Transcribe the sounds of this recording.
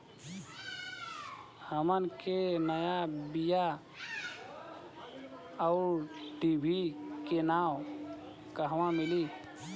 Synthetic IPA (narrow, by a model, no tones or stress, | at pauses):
həmənkenəjabija | ɔʊɾɖibʱikenam | kəɦʋãmili